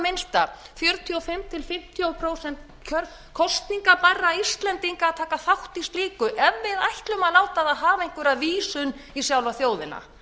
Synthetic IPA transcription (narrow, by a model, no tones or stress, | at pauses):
mɪnst̪a | fjœɾt̪ʰjɔfɪmt̪ʰɪlfɪm̥t̪ʰjopʰɾoːwsɛnt̪ | cʰœɾ | kʰɔst̪niŋkaparːaist̪lɛnt̪iŋkaaðt̪ʰaːkaθawht̪ist̪liːkʏʔɛvːɪðajht̪lʏmaðlaːwt̪aðaðɦaːvaeŋ̥kvʏɾaðviːsʏn | isjawlvaθjoːwðɪna̰